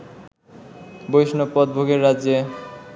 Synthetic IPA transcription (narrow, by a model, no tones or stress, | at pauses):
bojʃnopɔd̪̚bʱoɡeɾːad͡ʑe